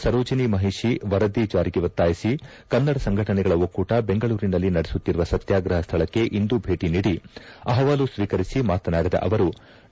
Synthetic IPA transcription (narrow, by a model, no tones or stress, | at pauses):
sɐɾoːd͡ʒɐnimɐɦiʂiʋɐɾɐd̪iːd͡ʒaːɾiɡeʋɐt̪ːaːjisi | kɐnːɐɽɐsɐŋɡʱɐʈɐnɛɡɐɭɐokːuːʈɐbe̞ŋɡɐɭuːɾinɐlːinɐɽesut̪ːiɾuʋɐsɐt̪jaːɡɾɐɦɐst̪ʰɐɭɐkːe̞ʔind̪ubʱe̞ːʈiniːɽiɐɦɐʋaːlusʋiːkɐɾisimaːt̪ɐnaːɽid̪ɐ̰ʔɐʋɐɾu